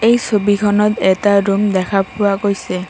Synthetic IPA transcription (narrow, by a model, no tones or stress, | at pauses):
ejsobikʰɔnɔtɛtaɹumdɛkʰapʰʊwakojsɛ